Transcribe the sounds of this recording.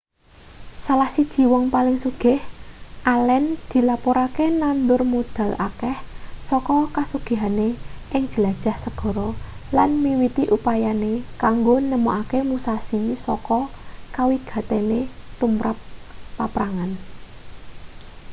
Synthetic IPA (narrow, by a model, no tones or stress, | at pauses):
salahsid̥ʒ̥i̤wɔŋpalɪŋsuɡ̥ɪ̤hʔalɛnd̪̥i̤lapɔɾakenand̪ʊrmod̪̥a̤lʔa̰kɛhsɔkɔkasuɡ̥e̤ɦaneʔɪŋd̥ʒ̥ə̤lad̥ʒ̥a̤hsəɡ̥ɔ̤ɾɔlanmiwit̪iʔupajanekaŋɡonəmɔʔakemusasisɔkɔkawiɡ̥a̤t̪enet̪umɾʔap̚ːapɾaŋan